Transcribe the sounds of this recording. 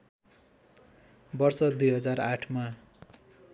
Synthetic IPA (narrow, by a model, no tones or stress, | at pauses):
bʌrsʌd̪ujɦʌd͡zaraʈʰma